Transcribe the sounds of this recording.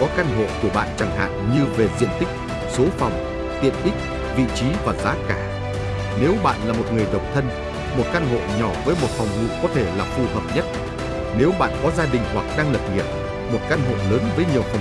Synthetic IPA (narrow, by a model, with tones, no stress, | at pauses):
kɔ˨˦ka˧nɦo̰˧˨ku˧˩əɓa̰ː˧˨nt͡ɕa˧˩ŋɦa̰ː˧˨nɲɨ˧ve˨˩zḭ˧ənt̪ï˦˥k̟̚ | so˨˦fa˨˩wŋ͡m | t̪ḭ˨˧˨ənʔï˦˥k̟̚ | vḭ˧˨t͡ɕi˨˦vaː˨˩zaː˨˦kaː˧˩ | ne˨˦wɓa̰ː˧˨nlaː˨˩mo˨˩t̚ŋɨ˨˩əjɗə̰˧˨wŋ͡mt̪ʰə˧n | mo˨˩t̚ka˧nɦo̰˧˨ɲɔ˧˩vəː˨˦jmo˨˩t̚fɔ˨˩wŋ͡mhṵ˧˨kɔ˨˦t̪ʰe˧˩laː˨˩fu˧ɦəː˨˩p̚ɲə˦˥t̚ | ne˨˦wɓa̰ː˧˨nkɔ˨˦zaː˧ɗï˨˩ŋ̟hwa˨˩k̚ɗaː˧ŋləː˨˩p̚ŋi˨˩əp̚ | mo˨˩t̚ka˧nɦo̰˧˨ləː˨˦nvəː˨˦jɲi˨˩əwfɔ˨˩wŋ͡m